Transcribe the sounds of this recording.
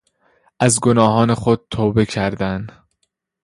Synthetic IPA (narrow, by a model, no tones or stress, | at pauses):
ʔæzɡonɒːɦɒːne̞xod̪̥̚t̪ʰoːbe̞cʰæɾd̪æn